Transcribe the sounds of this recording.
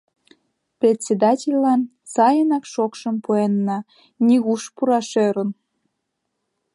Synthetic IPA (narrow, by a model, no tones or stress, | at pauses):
prʲet̪ʲsʲed̪ɑtʲelʲlɑn | sɑjənɑkʃokʃəmpuenːɑ | nʲiɣuʃpuɾɑʃøɾə̆n